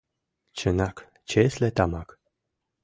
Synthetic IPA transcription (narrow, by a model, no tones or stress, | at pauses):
t͡ɕənak | t͡ɕeslet̪amak